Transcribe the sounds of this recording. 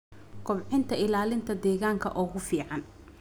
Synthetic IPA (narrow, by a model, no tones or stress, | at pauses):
kʰɔbʕɪnt̪ʰɐɪlaːlɪnt̪ʰɐd̪ɛːɣaːŋkʰɐ̰ʔɔːɣʊfiːʕɑn